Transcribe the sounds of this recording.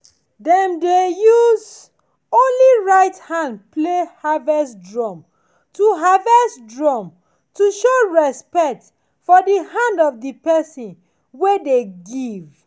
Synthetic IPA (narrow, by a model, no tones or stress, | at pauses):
dɛ̃mdejuz | õnliɹaɪthãndplehavɛsdɹɔ̃m | tuɦavɛsdɹɔm | tuʃoɹɛspɛk̚t | fɔdihãndɔvdipɛsĩn | wedeɡiv